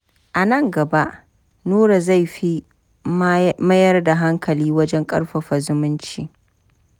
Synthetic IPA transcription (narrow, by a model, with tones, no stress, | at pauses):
ʔa˨nɐ˦˨ŋɡɐ˨ba˦ʔ | nuː˦ɽa˨za˦˨jɸi˦ | mɐ˦jɐ˦rda˨ɦa˦ŋkʰɐ˨liː˦wɐ˦d͡ʒɛ˦ŋkʼɐ̰˦rɸɐ˨ɸɐ˨zʊ˦mʊ˦nt͡ʃiː˦